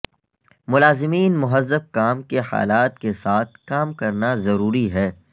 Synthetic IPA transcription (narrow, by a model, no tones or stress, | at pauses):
mʊlaːzɪmiːnmʊɦəzːəb̚kaːmkeha̰ːlaːt̪̚kesaːt̪̚ʰkaːmkɐɾnazɐɾuːɾiɦɛː